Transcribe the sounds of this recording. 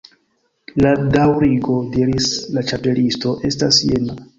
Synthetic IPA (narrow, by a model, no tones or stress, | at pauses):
ladawɾiɡo̞diɾislat͡ʃape̞listo̞ʔe̞stasjena